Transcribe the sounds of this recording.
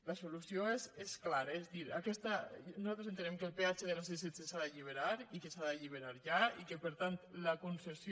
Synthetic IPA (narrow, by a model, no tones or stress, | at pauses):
ləsolusjoesesklaɾəezd̪iɾakɛst̪ənuzalˠt̪ɾezent̪ənɛmkəlˠpeat͡ʃeðelas̬eset͡sesaðəʎiβ̞eɾaɾikesaðəʎiβ̞eɾaɾʒaikəpəɾt̪ant̪ləkonsesj